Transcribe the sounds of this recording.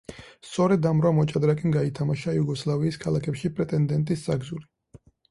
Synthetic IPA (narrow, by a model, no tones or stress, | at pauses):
st̪sʼɔɾɛd̪amɾwamɔt͡ʃʼad̪ɾakʼinɡait̪ʰamaʃajuɡɔslˠaviːskʰalakʰɛpʃipʼɾɛt̪ʼɛnd̪ɛnt̪ʼisːaɡzuli